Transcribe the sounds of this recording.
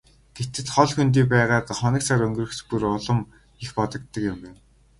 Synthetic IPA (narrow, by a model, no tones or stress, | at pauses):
ɡ̥et̪ɘ̆ɮχɔɮxɵnt̪̬iːp̬æːʁaːt̪χɔnʲɪ̆ksaɾɵŋɡrɵ̆xspuɾɔɮɞ̆m | ixpɔt̪ɞ̆k̚t̪ːə̆kɪmen